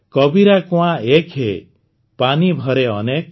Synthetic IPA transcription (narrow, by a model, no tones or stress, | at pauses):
kɔbiɾakuãekʰɦe | panibʱɔɾeɔnek